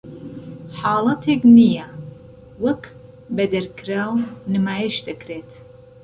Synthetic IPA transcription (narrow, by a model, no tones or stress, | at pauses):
ħaːlɐtʰeɡnija | wɐkʰ | bɛdɐrkʰralnɨmaːjɛʃtʼɐkʰreːtʰ